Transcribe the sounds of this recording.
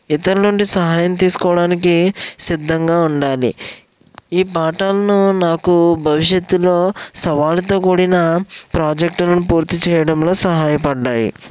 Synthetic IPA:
it̪ɐɾunuɳɖisɐɦaːjɐmt̪̬iːsu̥kɔːʋɐɽaːnikisid̪ʱːɐŋɡaːuɳɖaːlḭ | iːpaːʈaːlɐnunaːkubʱɐʋiʂjɐt̪ːulo̞ːsɐʋaːlt̪̬o̞ːkuːɽinɐpɾaːd͡ʒek̚ʈɐlɐnupuːɾt̪it͡ʃɛːjɐɽɐmlo̞ːsɐɦaːjɐpɐɖːaːjḭ

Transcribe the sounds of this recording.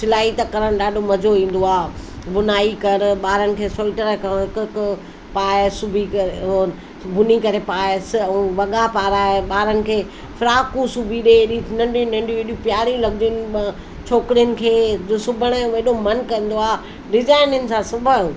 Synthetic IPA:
sɪlaːit̪ɐkɐɾəɽ̃ɗaːɗʱomɐd͡ʑʱoĩːn̆d̪oaː | bʊnaːikɐɾɓaːɾənɪ̆kʰeːsoːlʈəɾəkʰãɦɪkk | paːsʊbʱikɐɾ | bʱʊnikɐɾepaːsʋɐɠapaːɾaːeɓaːɾənɪ̆kʰeː | fʰɾaːkũsubʱiɗeɗinɐ̃ɳɖĩnɐ̃ɳɖʱijũɗiũpjaːɾilɐɡɪd͡ʑɪnɪ | t͡ɕʰoːkɪɾijənɪ̆kʰeːsʊbʱəɽ̃əʋɐɦɪɗomɐnkɐ̃n̆d̪oaː | ɖɪzaːɪnɪnɪ̆sãsʊbʱajũ

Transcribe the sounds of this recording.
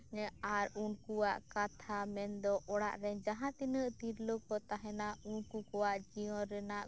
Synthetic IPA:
aɾunkuwaʔkat̪ʰamɛnd̪ɔʔɔɽaʔɾɛd͡ʒaɦãt̪inəʔt̪iɾlokɔt̪aɦɛnaunkukɔwaʔd͡ʒiɔ̃ɾɛnaʔ

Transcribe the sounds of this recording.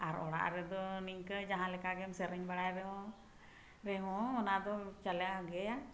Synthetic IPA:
aɾɔɽa̰ʔɾɛd̪ɔnikəd͡ʒaɦãlɛkaɡɛmsɛɾɛɲbaɽajɾɛɦɔ̃ | ɾɛɦɔ̃ɔnad̪ɔt͡ʃalɛjaɦɡɛja

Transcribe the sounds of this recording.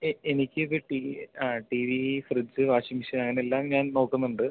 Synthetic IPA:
eenikʲːɨiðɨʈiaːʈiːʋifrɨd͡ʑɨʋaːɕimiɕɐnɐŋːɐneelːaːmɲaːnno̞ːkːunːuɳɖɨ

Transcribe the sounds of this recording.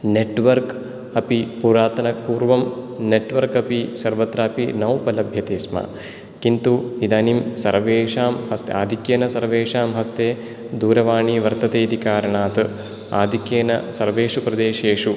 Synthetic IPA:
neʈʋɐɾk | ɐpipuɾaːt̪ɐnɐpuːɾʋɐmneʈʋɐɾkɐpisɐɾʋɐt̪ɾɐːpinɐwpɐlɐbʱjɐt̪eːsmɐ̰ | kint̪uid̪ɐnimsɐ̰ɾʋeːʂaːmhɐst̪ḛa̰ːd̪ʱikjeːnɐsɐɾʋeːʂaːmɦɐst̪eː | d̪uːɾɐʋaːɳiːʋɐɾt̪ɐt̪eːd̪ikaːɾɐɳaːt̪ɨ | a̰ːd̪ʱikjeːnɐsɐɾʋeːʂupɾɐd̪eːʃeːʂu

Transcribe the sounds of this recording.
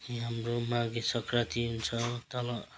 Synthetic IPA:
iɦamromãɡesʌkrat̪iɦunt͡sʰʌt̪ʌlʌ

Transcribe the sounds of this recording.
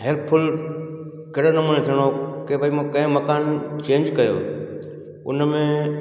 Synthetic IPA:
ɦelpʰʊl | kɐːɽonɐmuːnet̪ʰijəɽ̃okeʋɐimãkɐ̃ɦɪ̃mɐkaːnt͡ɕẽːɲd͡ʑkɐjo̰ː | ʊ̰nmẽ

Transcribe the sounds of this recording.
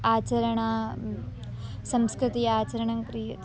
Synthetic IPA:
aːt͡ɕɐɾɐɳ̃a | sɐmskɾɪt̪iaːt͡ɕɐɾɐɳɐŋkɾi

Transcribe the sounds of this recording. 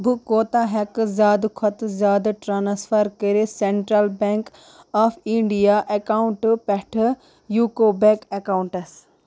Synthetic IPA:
bʱukoːt̪aːɦɐkzaːd̪kʰɐt̪zaːd̪ʈɾaːnspʰɐɾkəɾeseɳʈɾɐlbeŋk | aːfʰiɳɖijaːʔekaːuɳʈpɛʈʰ | juːkoːbekekauɳʈɐs

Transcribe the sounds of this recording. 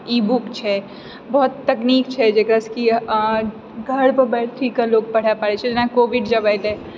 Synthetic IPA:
ibukt͡ʃʰɛ | bɔɦt̪ːəknik̚t͡ʃʰɛd͡ʒekɾaski | ɡʱəɽpəɾbɛʈʰt̪ʰikːəloɡ̚pəɽ̤apaɾɛt͡ʃʰɛd͡ʒenakoʋiɖd͡ʒəbajt̪ɛ̃

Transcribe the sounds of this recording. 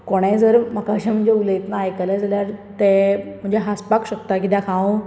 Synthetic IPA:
koɽ̃ẽd͡zəɾm̤akaɕam̤əɳd͡ʑeulet̪naːjkalad͡zʱaljaɾt̪em̤əɳd͡ʑeɦaspakɕək̚t̪akid̪akʰãʋõ

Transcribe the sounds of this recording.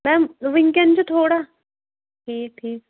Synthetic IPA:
mɛ̃ːʋɪ̃ŋkẽnt͡ʃot̪ʰoːɽaː | ʈʰiːk̚ʈʰiːk̚

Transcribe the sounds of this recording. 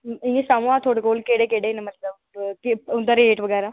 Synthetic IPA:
ɪ̃ẽsaːmũãːt̪ʰoːɽekoːlkeːɽeːkeɽeːnemət̪ləb | kɪʊnd̪aːɾeːʈʋəɡɛːɾaː

